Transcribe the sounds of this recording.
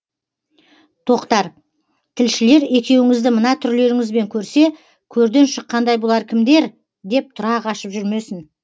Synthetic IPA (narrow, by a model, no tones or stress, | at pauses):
t̪ʰo̞qt̪ɑɾ | t̪ʰɪlʃɪle̞ɾe̞kʲe̞wɪŋɪzd̪ɪmənɑt̪ʰʏɾle̞ɾɪŋɪzbe̞ŋkʲʰɵɾse̞ | kʲʰɵɾd̪e̞nʃəqːɑnd̪ɑjbolˠɑɾkʲʰɪmd̪e̞ɾ | d̪e̞p̚t̪ʰʊɾɑqɑʃəpʒʏɾme̞sɪn